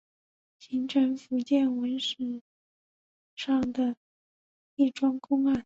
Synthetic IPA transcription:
ɕʰi˧˥ŋʈ͡ʂʰə˧˥nfu˧˥t͡ɕjɛ˥˩nwə˧˥nʂ̩˨˩ | ʂɑ˥˩ŋd̪ə˩ | i˥˩ʈ͡ʂwɑ˥ŋkʊ˥ŋa˥˩n

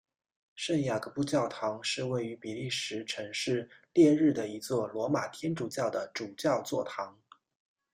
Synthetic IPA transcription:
ʂə˥˩nja˨˩ɡə˧˦pu˥˧t͡ɕjɑ˥˩ʊt̪ʰɑ˧˥ŋʂɻ̩˥˧we˥˩ɪy˧˥pi˨˩li˥˩ʂɻ̩˧˥ʈ͡ʂʰɤ˧˥ŋʂɻ̩˥˧ljɛ˥˧ɻɻ̩˥˩d̪ə˩i˧˥t͡swɔ˥˩lwɔ˧˥ma˨˩t̪ʰjɛ˥nʈ͡ʂu˨˩t͡ɕjɑ˥˩ʊd̪ə˩ʈ͡ʂu˨˩t͡ɕjɑ˥˧ʊt͡swɔ˥˩t̪ʰɑ˧˥ŋ

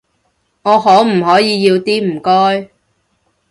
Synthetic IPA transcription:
ŋɔː˨˧hɔː˨˥m̩˨˩ɦɔː˨˥jiː˨˧jiː˧wt̪iː˥m̩˨˩kɔː˥j

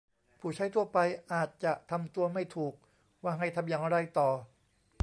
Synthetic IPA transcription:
pʰuː˨˩t͡ɕʰa˦˥jt̪ʰu˥˩ɐpa˧jʔaː˨˩t̪̚t͡ɕa˨˩ʔt̪ʰa˧mt̪u˧ɐma˥˩jt̪ʰuː˨˩k̚ | waː˥˩ɦa˥˩jt̪ʰa˧mjaː˧˩ŋɾa˧jt̪ɔː˨˩

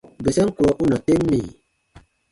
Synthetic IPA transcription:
be˨sɛ˦ŋ˦ku˨ɾɔ˨˦ʔu˦na˨te˦mːi˨

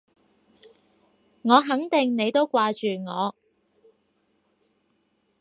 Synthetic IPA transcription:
ŋɔː˨˧ɦɐ˨˥ŋt̪ɪ˨ŋne˨˧jt̪o˥wkʷwaː˧t͡ʃyː˨ŋɔː˨˧

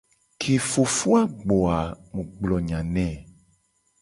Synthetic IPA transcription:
kʰe˨fo˨fu˦a˦ɡ͡bɔ˨a˨mũ˨ɡ͡blɔ˨ɲã˨nɛ̃˦˨

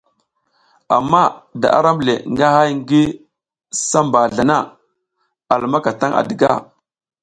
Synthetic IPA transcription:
a˨mːa˦˨da̰˨ʔa̰˦ɾa˦m˨le˨ŋɡa˦ha˦jŋ˦ɡi˦ | sa˦mba˨ɮa˨na˦˨ | a˨lma˦ka˨ta˦ŋa̰˨də˨ɡa̰˦˨

